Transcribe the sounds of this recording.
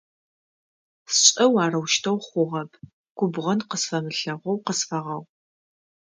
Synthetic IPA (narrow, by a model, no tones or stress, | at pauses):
sɕʼɐwaːrɐwʃtʰɐwχʷʊʁɐpʰ | ɡ̥ʷʊbʁɐnqəsfɐmɨɬɐʁʷɔwqəsfɐʁɐw